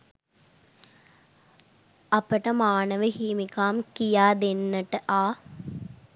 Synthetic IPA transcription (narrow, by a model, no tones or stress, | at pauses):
ɐpɐʈɐmaːnɐʋəhiːmikaːmkijaːd̪enːɐʈɐʔaː